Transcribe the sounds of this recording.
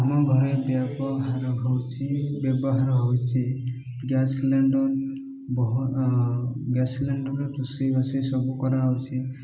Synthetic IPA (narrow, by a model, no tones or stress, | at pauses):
amɔɡʱɔɾebjabɔɦaɾɔɦɔwt͡ʃʰibjɔbɔɦaɾɔɦɔwt͡ʃʰi | ɡasleɳɖɔɾ | bɔɦ | ɡasleɳɖɔɾɔtusibasɔjsɔbukɔɾawt͡ʃʰi